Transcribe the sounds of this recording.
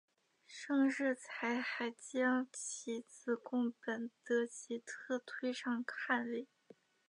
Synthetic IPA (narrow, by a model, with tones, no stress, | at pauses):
ʂɤ˥˧ŋʂɻ̩˥˩t͡sʰa˧˥ɪxa˧˥ɪt͡ɕjɑ˥ŋt͡ɕʰi˧˥t͡sʰɹ̩˥˧˩kʊ˥˩ŋpə˨˩nt̪ɤ˧˥t͡ɕi˧˥t̪ʰɤ˥˩t̪ʰwe˥ɪʂɑ˥˧ŋkʰa˥˧nli˥˩˦